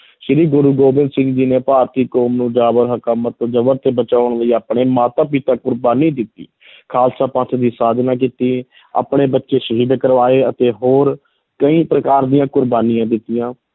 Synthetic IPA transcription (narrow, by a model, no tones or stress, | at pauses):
ʃɪɾiːɡʊɾuːɡoːbɪ̃nd̪sɪ̃ŋɡd͡ʒiːneːpaːɾt̪iːkɔːmnũːd͡ʒaːbəɾɦəkaːmət̪ːod͡ʒəbəɾt̪eːbət͡ʃaːʊɳləiːaːpɳeːmaːt̪aːpɪt̪aːkʊɾbaːniːd̪ɪt̪ḭː | kʰaːlsaːpãt̪ʰd̪iːsaːd̪naːk̬iːt̪iː | a̰ːpɳeːbətːʃeːʃəɦiːd̪kəɾʋaːeːət̪eːɦoːɾ | kəĩːpɾəkaːɾd̪ijãːkʊɾbaːnɪijãːd̪ɪt̪ːijãː